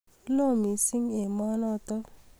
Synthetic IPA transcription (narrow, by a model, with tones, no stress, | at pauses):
lo˦˨mi˨si˦ŋe˨mɔ˦nɔ˦t̪ɔ˦